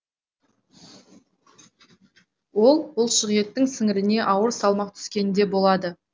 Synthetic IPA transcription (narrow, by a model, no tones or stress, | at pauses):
wo̞lˠbʊlˠʃəʁije̞t̪ːɪŋsɪŋɪɾɪne̞ʔɑwəɾsɑlˠmɑq̚t̪ʰʏ̥skʲe̞nd̪e̞bo̞lˠɑd̪ə